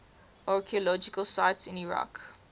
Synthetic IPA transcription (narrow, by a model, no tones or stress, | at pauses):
ʔɑɹkʰiəlɔd͡ʒɪkəlsaɪtsɪ̃niɹa̰k